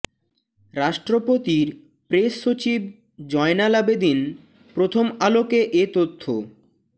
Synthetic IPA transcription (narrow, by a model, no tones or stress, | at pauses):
ɾaʃʈɾopot̪iɾ | pɾeʃːot͡ɕib̚ | d͡ʑɔenalabed̪in | pɾot̪ʰomalokeʔet̪ot̪ʰːo̰